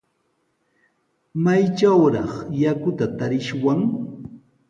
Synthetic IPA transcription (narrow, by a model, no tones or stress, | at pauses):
majt͡ʃawɾɑχjakʊt̪at̪aɾɪʃwaŋ